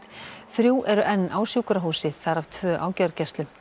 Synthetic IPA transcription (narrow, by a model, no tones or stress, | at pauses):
θɾjuːʔɛɾʏʔɛnːʔaːwsjuːkɾaɦuːsɪθaɾaft̪ʰvœːʔa̰ːwcaɾcɛst̪lʏm